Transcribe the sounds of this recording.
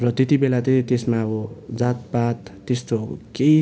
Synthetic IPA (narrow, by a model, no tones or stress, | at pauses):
rʌt̪et̪ibelat͡sʌj̃t̪esmaʌbʌd͡zat̪̚pat̪ːest̪okej